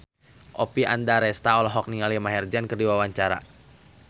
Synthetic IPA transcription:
ʔɔpiandaɾɛst̪aɔlɔɦɔk̚niŋalimaɦɛrd͡ʒɛnkərdiwawaɲt͡ʃaɾa̰

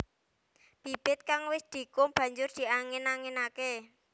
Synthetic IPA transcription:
b̥i̤b̥ɪt̪̚kaŋwɪsd̪̥i̤kʊmb̥ä̤ɲd͡ʒʊrd̪̥i̤aŋɪnaŋɪnake

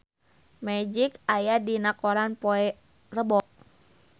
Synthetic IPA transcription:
mɛd͡ʒikajadinakɔɾanpoɛ | rəbɔk̚

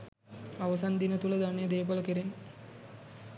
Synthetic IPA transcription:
aʋəs̬and̪inət̪uləd̪anejəd̪eːpələkeɾen

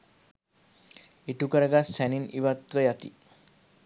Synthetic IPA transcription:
iʈukəɾəɡasæniniʋat̪ʋəjat̪ḭ

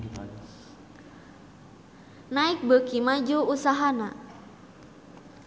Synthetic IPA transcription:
naɪk̚bəkimad͡ʒuusaɦana

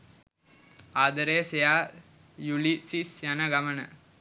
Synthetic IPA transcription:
aːd̪əɾeːsejaː | julisisjanəɡamənə

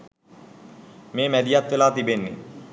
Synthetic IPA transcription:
meːmæd̪ijat̪ʋelaːt̪ibenːḛ

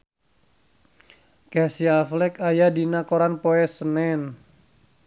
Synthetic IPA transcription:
kɛsiaflɛkajadinakoɾanpɔɛsənɛn

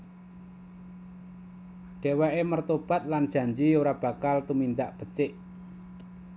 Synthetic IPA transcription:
ɖ̥e̤wɛʔemərt̪ob̥a̤t̪̚land̥ʒ̥a̤ɲd͡ʒioɾab̥a̤kalt̪umind̪aʔb̥ə̤t͡ʃɪʔ

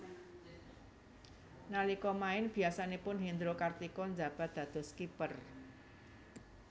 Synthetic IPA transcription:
nalikɔmaɪnb̥i̤asanepʊnɦind̪ɾokart̪ikɔnd͡ʒa̤b̥a̤t̪̚d̪̥ä̤d̪̥ɔ̤skipər

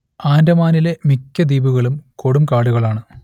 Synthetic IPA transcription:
aːndɐmaːnile̞mikʲːɐd̪iːbuɣɐɭumko̞ɽumkaːɽuɣɐɭaːɳɨ

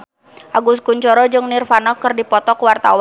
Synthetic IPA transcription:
ʔaɡuskuɲt͡ʃɔɾɔd͡ʒɨŋnirfanɔkɨrdipɔt̪ɔkwart̪awa

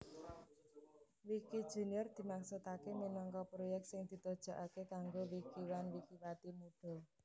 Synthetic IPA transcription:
wikid̥ʒ̥e̤niɔrd̪̥i̤maŋsut̪akeminɔŋkɔpɾojɛk̚t̪sɪŋd̪̥i̤t̪ɔd̥ʒ̥a̤ʔakekaŋɡowikiwanwikiwat̪imuɖ̥a̤l

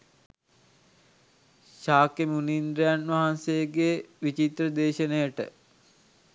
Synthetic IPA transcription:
ʃaːkemunind̪ɾejanʋaɦansejəɡeːʋit͡ʃit̪ɾəd̪eːʃənejəʈə̰

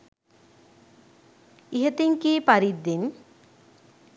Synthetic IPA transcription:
iɦet̪iŋkiːpaɾid̪ːin

